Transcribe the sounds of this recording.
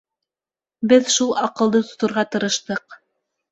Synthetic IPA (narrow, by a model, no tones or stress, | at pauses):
bɘðʃulˠɑqɤ̆lˠd̪ɤt̪ŏ̥t̪ŏɾʁɑt̪ɤ̆ɾɤ̆ʃt̪ɤq